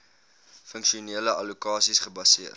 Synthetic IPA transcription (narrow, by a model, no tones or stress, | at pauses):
fəŋkʃiuniələʔɐlukɑːsisχəbɐsiər